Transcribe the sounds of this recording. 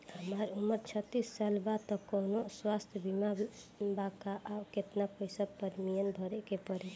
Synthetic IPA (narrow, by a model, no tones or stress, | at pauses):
ɦəmaɾumːəɾt͡ʃʰət̪ːisːalbat̪ɔkonoswast̪ʰjəbimabakaʔaket̪napojsəpəɾmijənbʱəɾekepəɾɛ